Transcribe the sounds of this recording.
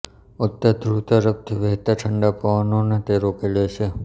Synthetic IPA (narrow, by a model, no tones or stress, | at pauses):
ʊt̪ːət̪ɾut̪əɾəp̚t̪ʰʋeɦt̪aʈʰəɳɖapəʋənonet̪eɾokelet͡ʃʰe